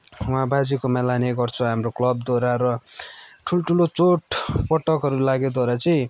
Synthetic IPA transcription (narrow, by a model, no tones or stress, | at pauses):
wãbad͡zikomalaneɡʌrt͡sʰuɦamroklʌb̚d̪waɾaɾʌ | ʈʰuloʈʰulot͡soʈpʌʈʌkɦʌɾulaɡed̪waɾat͡sʌĩ